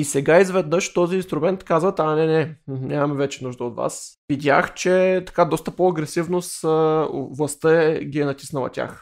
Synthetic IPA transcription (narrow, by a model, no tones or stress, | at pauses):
isɛɡaizvɛd̪nɤʃt̪ɔziːnst̪ɾʊmɛnt̪kazvət̪anɛnɛnʲʔamɐmɛvɛt͡ʃɛnuʒd̪əot̪va̰svid̪ʲja̰xt͡ʃɛt̪ɐ̥kad̪ɔst̪əpoɐɡɾɛsivnosəvlˠɐst̪əɛɡʲiɛnɐt̪ʲi̥snɐlˠɐ̰tʲa̰x